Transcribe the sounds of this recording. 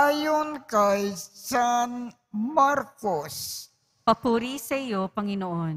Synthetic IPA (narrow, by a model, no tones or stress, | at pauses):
ajonkajsan | maɾkos | pɐpuːɾisɐʔɪjopɐŋɪnoʔon